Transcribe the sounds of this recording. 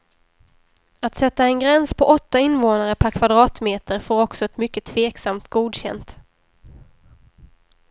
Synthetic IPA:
at̪sɛt̪ːaɛnɡɾɛnspʰɔʔɔt̪ːaɪnːvoːnaɾəpʰæɾkʰvad̪ɾɑːt̪meːt̪əɾfoːɾɔksɔɛt̪mʏkːət̪ʰveːksamt̪ɡuːd̪ɕɛ̰nt̪

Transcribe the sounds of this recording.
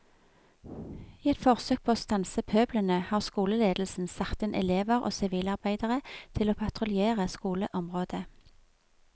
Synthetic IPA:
iːɛt̪fɔʁsøːk̚pʰoːoːst̪ɑnsəpʰøːblənəhɑːʁskuːləleːd̪l̩sn̩sɑkt̪ɪnʔɛ̰leːʋəʁʔo̰ːsɪʋiːlɑʁbæɪd̪əʁət̪ʰɪloːpʰɑt̪ʁʊlɪeːʁəskuːləʔɔmʁoːd̪ə

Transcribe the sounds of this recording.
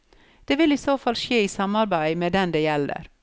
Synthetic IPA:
d̪̥eːʋɪliːsoːfɑlʃeːiːsɑmɑɾbæɪmeːd̪ɛnd̪eːjɛlə̰ɾ

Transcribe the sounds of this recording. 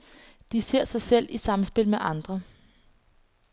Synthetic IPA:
d̥ise̝ɐ̰sɑ̈ɪsel̰isɑ̈msb̥e̝l̰meʔɑ̈nd̥ʁɐ

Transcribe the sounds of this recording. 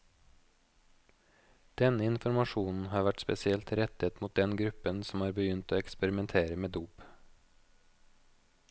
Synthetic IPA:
d̪̥ɛnɪnfɔɾmɑʃuːnn̩hɑːɾʋæʈspɛsɪɛlt̪ɾɛt̪ət̪muːt̪̚d̪ɛnɡɾʉpənsɔmɑːɾbəjʏnt̪oːɛkspɛɾɪmɛnt̪ʰeːɾəmeːd̪uːp

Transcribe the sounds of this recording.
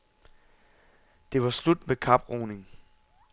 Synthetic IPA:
d̥e̝ʋɑ̈slud̥mekʰɑ̈b̥ʁoːne̝ŋ

